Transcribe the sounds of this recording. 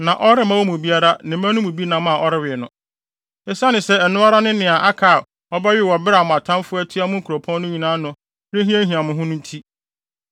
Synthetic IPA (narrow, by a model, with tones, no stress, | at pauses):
nã˨ʔɔ˦ɾɪ˦mã˦wɔ˦mʊ̃˨bi˦a˦ɾa˦nɪ̃˨mã˦nʊ̃˦mũ˨bi˦nã˦m˦ã˨ʔɔ˦ɾɪ˦wɪ˨nʊ̃˦ | ɛ˦sa˦nɪ̃˨sɛ˦ɛ˨nʊ̃˦a˦ɾa˦nʊ̃˦nɪ̃˨a˨ʔa˦kʰa˨ | ɔ˦ba˦ɥɪ˦˨wɔ˨bɪ˦ɾa˨mʊ̃˨a˨tʰã˦nfʊ˦æ˦tʰi˦a˦mʊ̃˦ŋ̩˦kʰu˨ɾo˨pʰɔ̃˦nːʊ̃˦ɲĩ˨nãː˦nʊ̃˦ | ɾɪ˦ɦĩ˦æ̃˦ɦĩ˨ã˨mʊ̃˨ɦʊ̃˦nʊ̃˦n˦tʰi˦